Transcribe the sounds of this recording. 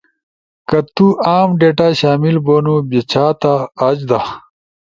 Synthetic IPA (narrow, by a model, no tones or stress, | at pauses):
kɐt̪uaːmɖeːʈaɕaːmilboːnubet͡ɕʰaːt̪aːd͡ʑd̪a